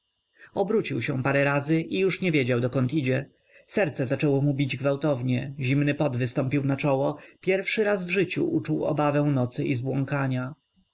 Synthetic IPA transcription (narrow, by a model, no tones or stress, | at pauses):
ɔbɾut͡ɕiwɕɛ̃paɾɛɾazɘʔijuʂɲɛvʲjed͡ʑawd̪ɔkɔnt̪id͡ʑɛ | sɛɾt̪sɛzat͡ʂɛwɔmubʲid͡ʑɡvawt̪ɔvɲɛʑimnɘpɔd̪vɘst̪ɔmpʲiwnat͡ʂɔwɔpʲjɛɾfʂɘɾazvʐɘt͡ɕṵʔut͡ʂuwɔ̰bavɛ̃w̃nɔt̪sɘʔizbwɔ̃ŋkaɲa